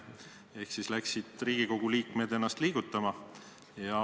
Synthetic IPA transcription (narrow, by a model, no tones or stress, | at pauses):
e̞hksislæksid̪̥riːɡ̥iko̞ɡ̥uliːkme̞d̪̥enːɑst̪liːɡ̥ut̪ːˑɑmɑ | jɑ